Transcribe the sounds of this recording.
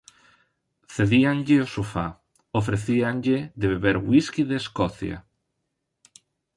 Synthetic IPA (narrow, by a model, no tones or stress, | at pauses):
θeðiaŋʎɪosufa̰ | ofɾeθiaŋʎeðeβeβeɾwiskiðeːskɔθja̰